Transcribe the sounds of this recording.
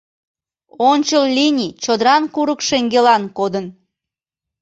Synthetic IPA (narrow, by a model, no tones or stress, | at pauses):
onʲt͡ɕəllʲinʲit͡ɕod̪əɾɑnkuɾəkʃeŋɡelɑnkod̪ən